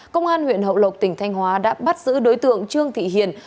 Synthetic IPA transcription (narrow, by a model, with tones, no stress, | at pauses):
kə˧wŋ͡mʔaː˧nhwḭ˧˨ənɦə̰˧˨wlə˨˩wk͡p̚t̪ï˧˩ŋ̟t̪ʰa˧jŋ̟hwaː˨˦ɗa̰ː˧˥ɓa˦˥t̚zɨ̰˧˥ɗo˨˦jt̪ɨ̰˧˨əŋt͡ɕɨ˧əŋt̪ʰḭ˧˨ɦḭ˧˨ən